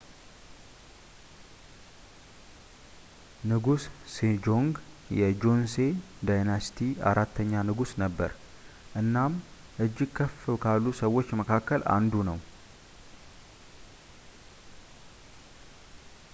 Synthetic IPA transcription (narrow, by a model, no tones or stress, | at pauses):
nɨɡussed͡ʒo̞ŋɡ | jɛd͡ʒo̞nse̞d̪ajnasi̥t̪ʰia̰ɾʔat̪ʰːəɲːanɨɡusnəbːə̰ɾ | ʔɨnːam | ʔɨd͡ʒːɪɡkʰːəfkʰalːusəwːo̞t͡ʃːməkʰakːəlʔa̰nd̪unəw